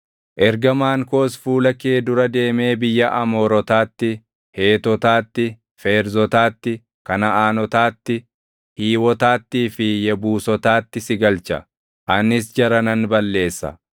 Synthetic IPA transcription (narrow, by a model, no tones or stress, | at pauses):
ʔɛɾɡɐmaːŋko̞ːsfuːlɐkeːd̪ʊɾɐd̪e̞ːme̞ːbɪjːɐʔɐmɔːɾɔt̪aːt̪ːɪ | he̞ːt̪ɔt̪aːt̪ːɪ | feːɾzɔt̪aːt̪ːɪ | kɐnɐaːnɔt̪aːt̪ːɪ | hiːwɔt̪aːt̪ːiːfɪjɛbuːsɔt̪aːt̪ːɪsɪɡɐlt͡ʃɐ̰ | ʔɐnːɪsd͡ʒɐɾɐnɐnbɐlːe̞ːsːɐ̰